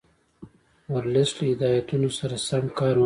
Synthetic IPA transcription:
waɾlɪsləɪd̪ɑːjat̪unosaɾasamkɑːɾw

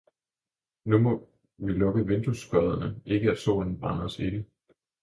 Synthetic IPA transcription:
numɔ̽ | ʋilɔ̽ɡ̥əʋe̝nd̥usɡ̥ɒðˠɐnəʔe̝ɡ̥əæso̝̰ːln̩b̥ʁɑ̈nəɒse̝ɡ̥ə

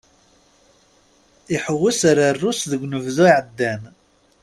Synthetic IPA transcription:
iħəwːəsaɾarːusðəɡʷnəvðuiʕəd̪ːæn

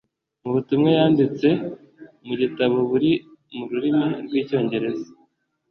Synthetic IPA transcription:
muβutumŋejaːndit͡se̞ | muɟitaβoβuɾimuɾuɾimiɾɡwiːco̞ːɲɟe̞ɾe̞za

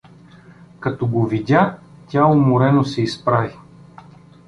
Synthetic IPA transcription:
kɐt̪ɔɡovid̪ʲatʲaomoɾɛnosɛispɾavi

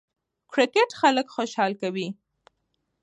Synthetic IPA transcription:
kɾɪkɪʈxaləkxoʃɑlkawi

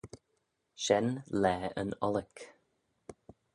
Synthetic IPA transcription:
ʃɛnlɛːə̰nɔlək

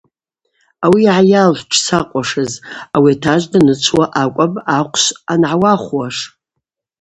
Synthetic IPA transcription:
awiʕajalħʷʈ͡ʂʰsaqʷʼaʂɨzawiatʰaʒʷdanɨt͡ʃʷʰwaʔakʷʼabʼaqʷʰʃanʕawaχʷwaʂ

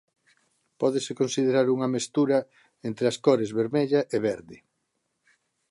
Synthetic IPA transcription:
pɔðesekõnsiðeɾaɾuŋɐmest̪uɾɐ | ent̪ɾeɐskɔɾezβeɾmeʎɐʔeβɛɾðɪ

